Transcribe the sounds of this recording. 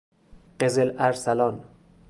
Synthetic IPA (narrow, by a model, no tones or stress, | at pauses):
ɢ̥ezelæɾsælɒːn